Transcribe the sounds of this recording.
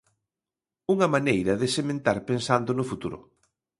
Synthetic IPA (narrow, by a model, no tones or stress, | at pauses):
uŋɐmanejɾɐðesemẽnt̪aɾpensand̪ʊnʊfut̪uɾʊ̰